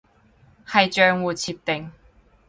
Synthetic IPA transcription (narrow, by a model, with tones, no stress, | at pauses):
hɐ˨jt͡ʃœː˨˧ŋwuː˨t͡sʰiː˨p̚t̪ɪ˨˩ŋ